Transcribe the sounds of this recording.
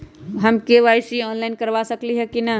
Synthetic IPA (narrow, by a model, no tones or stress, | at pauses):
ɦəmkeʋajsiɔnlaɪnkəɾʋasəkliɦɛkina